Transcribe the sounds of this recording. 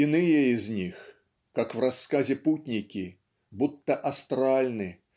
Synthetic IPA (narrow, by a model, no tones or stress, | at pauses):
inɨjɛizʲnʲix | kakwɾasːkazʲɛput̪ʲnʲikʲi | but̪ːɐʔast̪ɾalʲnɨ